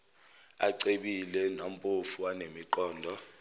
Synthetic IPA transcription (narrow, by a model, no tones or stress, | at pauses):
a̰ǀeɓilɛnam̩pʼufuwanemiǃɔːndʱɔ